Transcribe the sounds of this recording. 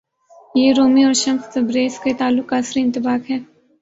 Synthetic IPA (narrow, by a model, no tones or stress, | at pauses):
jeːɾoːmiɔːɾʃɐ̃mst̪ɐbɾeːsket̪aːlːʊkːaːsɾiɪ̃nt̪ɪbaːkɦɛː